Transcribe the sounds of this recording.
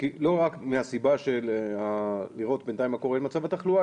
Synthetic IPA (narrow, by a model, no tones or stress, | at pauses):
kilo̞ʁakmeasibaʃelaliʁo̞t̪be̞nt̪ajmako̞enmat͡savat̪aχlua